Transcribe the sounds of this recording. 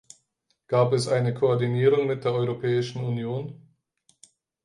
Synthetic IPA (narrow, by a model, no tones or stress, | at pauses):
ɡ̥aːpɛsʔaɪnəkʰoɔɐdiniːʁ̞ʊŋmɪt̚d̥eːɐʔɔʏʁopʰɛːɪʃn̩unjoːn